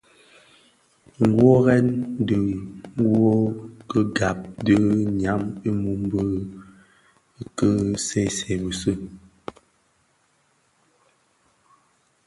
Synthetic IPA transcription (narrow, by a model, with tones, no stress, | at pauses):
ŋ˨˦ɡwo˦ɣɛ˦n˦də˨ŋ˦wo˦kə˦ɡa˨p̚də˦ɲa˨˦mi˦mu˦m˦bə˦ | kə˦sɛ˦˨sɛ˨bə˨sə˦˨